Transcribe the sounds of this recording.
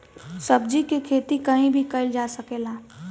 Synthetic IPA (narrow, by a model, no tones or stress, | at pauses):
səb̚d͡ʒikekʰet̪ikəɦĩbʱikəɪld͡ʒasəkela